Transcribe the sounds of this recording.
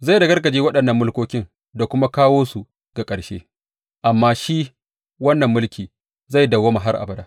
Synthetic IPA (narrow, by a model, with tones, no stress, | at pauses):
za˦˨jdɐ˨ɡɐ˦rɡɐ˨d͡ʒeː˦wɐ˦ɗɐ˨nːɐ˨mːʊ˦lkʷoː˦kʲɪ˦ŋ | da˨kʷʊ˦ma˦kaː˦woː˦su˨ | ɡ̥a˨kʼɐ˨ʃḛː˦ | ʔa˨mːaː˦ʃi˦ | wɐ˦nːɐ˨mːʊ˦lkʲiː˨ | za˦˨jdɐ˨wɐ˦ma˨ɦa˦rʔa̰˨bɐ˦daː˦